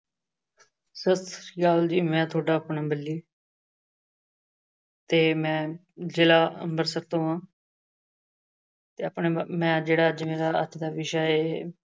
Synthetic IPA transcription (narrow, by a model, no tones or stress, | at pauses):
səst̪ɾjaːld͡ʒiːmɛ̃ːt̪ʰoːɖaːəpnaːbəlːiː | t̪eːmɛ̃ː | d͡ʒɪlaːə̰mbəɾsək̚t̪õːɦãː | t̪eːəpɳeːmɛ̃ːd͡ʒeːɽaːd͡ʒmeːɾaːət̪ʰd̪aːʋɪʃaeː